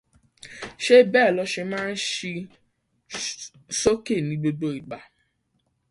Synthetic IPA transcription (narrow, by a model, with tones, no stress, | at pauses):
ʃe˦bɛː˦˨lɔ˨˧ʃe˧mãː˦n̩˦ʃi˧ | so˦ke˦˨nĩ˨˦ɡ͡bo˧do˨˦i˨ɡ͡ba˨